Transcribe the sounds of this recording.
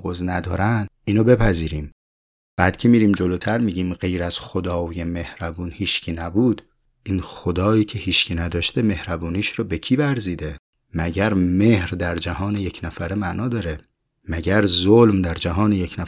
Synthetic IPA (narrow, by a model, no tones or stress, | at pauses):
ɣoznæd̪ɒːɾænd̪iːnobe̞pʰæziːɾiːm | b̥æːd̪cʲʰemiːɾiːmd͡ʒoloːt̪ʰæɾmiːɟiːmɢe̞jɾæz̥xod̪ɒːjeme̞hɾæbuːnhiːʃcʰiːnæbuːd̪ | iːnxod̪ɒːjiːcʰehiːʃcʰinæd̪ɒːʃt̪eme̞hɾæbuːniːʃɾɒːbe̞cʰiːvæɾziːd̪e | mæɟæɾmehɾd̪æɾd͡ʒæhɒːnejecʰnæfæɾemæʔnɒːd̪ɒːɾe | mæɟæɾzolmd̪æɾd͡ʒæɦɒːnejecʰnæ